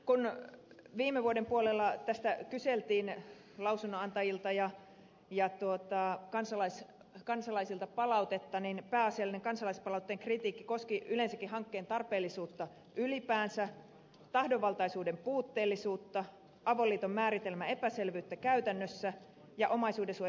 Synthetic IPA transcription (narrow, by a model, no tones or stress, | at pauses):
kun | ʋiːmːeʋuodempuolelːɑt̪æst̪ækyselt̪iːn | lɑwsunːoɑnt̪ɑjilt̪ɑjɑ | jɑt̪uot̪ɑkɑnsɑlɑis | kɑnsɑlɑisilt̪ɑpɑlɑwt̪et̪ːɑninpæːɑsiɑlːineŋkɑnsɑlɑispɑlɑut̪ːeːŋkrit̪iːkːikoskiylensækːihɑŋkːeːnt̪ɑrpeːlːisuːt̪ːɑ | ʔylipæːnsæ | t̪ɑhdoʋːɑlt̪ɑisuːdempuːt̪ːeːlːisuːt̪ːɑ | ʔɑʋolːiːt̪omːæːɾit̪elmæepæselʋyːt̪ːækæyt̪ænːøsːæ | jɑʔomɑisuːdesuo